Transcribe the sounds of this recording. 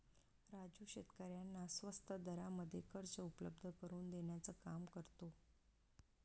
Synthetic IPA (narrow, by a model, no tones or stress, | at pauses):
ɾad͡ʑuɕet̪kəɾjanːasʋəst̪ʰəd̪əɾaməd̪ʱːjekəɾt͡səupələb̚d̪ʱəkəɾuːnd̪eɳjat͡səːkamkəɾt̪o